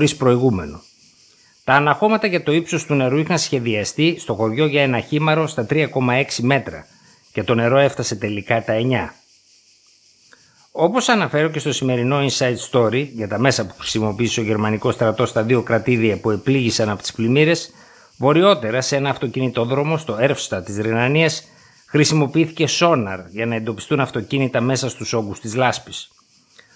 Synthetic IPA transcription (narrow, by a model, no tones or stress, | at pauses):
ɾispɾo̞iɣume̞nu | t̪ɐːnɐxo̞mɐt̪ɐʝɐt̪o̞ipso̞st̪une̞ɾuixɐnsçe̞ðiɐst̪ist̪o̞xo̞ʝo̞ʝɐe̞nɐçimɐɾo̞st̪ɐt̪ɾiɐko̞mɐe̞ksime̞t̪ɾɐ | ce̞t̪o̞ne̞ɾo̞e̞ft̪ɐse̞t̪e̞likɐt̪ɐe̞ɲɐ | o̞po̞sɐnɐfe̞ɾo̞ce̞st̪o̞sime̞ɾino̞insɐit̪st̪o̞ɾiʝɐt̪ɐme̞sɐpu̥xɾi̥simo̞piiseo̞ʝe̞ɾmɐniko̞st̪ɾɐt̪o̞st̪ɐðio̞kɾɐt̪iðiɐpue̞pliʝisɐnɐpot̪i̥splimiɾe̞s | vo̞ɾio̞t̪e̞ɾɐsee̞nɐːft̪o̞cinit̪o̞ðɾo̞mo̞st̪o̞e̞ɾfst̪ɐt̪izɾenɐniɐs | xɾisimo̞piiθice̞so̞nɐɾʝɐnɐe̞nd̪o̞pist̪unɐft̪o̞cinit̪ɐme̞sɐst̪uso̞ɡust̪izlɐspi̥s